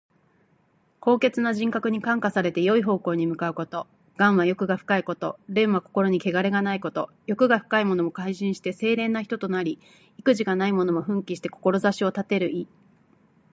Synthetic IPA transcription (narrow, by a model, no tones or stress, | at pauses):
ko̞ːke̞t͡sɨnaʑĩŋkakɯ̟ɲ̟ikãŋkasaɾe̞t̪e̞jo̞iɦo̞ːko̞ːɲ̟imɯ̟kaɯ̟ko̞t̪o̞ | ɡ̥ãɰ̃βajo̞kɯ̟ɡaɸɯ̟̥kaiko̞t̪o̞ɾẽ̞ɰ̃βako̞̥ko̞ɾo̞ɲ̟ike̞ɡaɾe̞ɡanaiko̞t̪o̞ | jo̞kɯ̟ɡaɸɯ̥kaimo̞no̞mo̞kaiɕĩɰ̃ɕi̥t̪e̞se̞ːɾẽ̞nːaçi̥t̪o̞t̪o̞naɾʲi | ikɯ̟ʑiɡanaimo̞no̞mo̞ɸɯ̟̃ŋkʲiɕi̥t̪e̞ko̞̥ko̞ɾo̞zaɕio̞t̪at̪e̞ɾɯ̟ʔi